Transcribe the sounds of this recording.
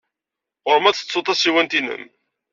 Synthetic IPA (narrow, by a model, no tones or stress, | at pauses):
ʁʊɾəmæt͡sːə̥t͡sːot̪ˤɑsiwænt̪inə̰m